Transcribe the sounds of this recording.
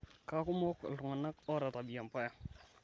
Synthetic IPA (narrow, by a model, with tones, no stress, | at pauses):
ka˨kʊ˦mɔ˦klʊ˨ŋɔ˨na˦kɔ˦ɾa˨ta˨bi˨ja˨mpa˦ja˨